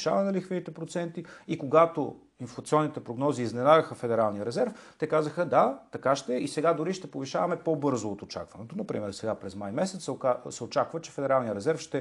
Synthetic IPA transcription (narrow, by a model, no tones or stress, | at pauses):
ʃavɐɛnɛlixvinit̪ɛpɾot̪sɛnt̪iikoɡat̪o | inflˠɐt̪siɔnːit̪ɛpɾoɡnɔziːznɛnaɡəxəfɛd̪ɛɾalˠnijəɾɛzɛɾft̪ɛkazəxəd̪at̪ɐkaʃt̪ɛisɛɡad̪ʊɾiʃt̪ɛpoviʃavɐmɛpobɤɾzoːt̪ot͡ʃa̰kvɐnɛt̪onɐpɾḭmɛɾsɛɡapɾɛzmajmɛsɛt̪skasɛot͡ʃakvət͡ʃɛfɛd̪ɛɾalˠnijəɾɛzɛɾfʃt̪ɛ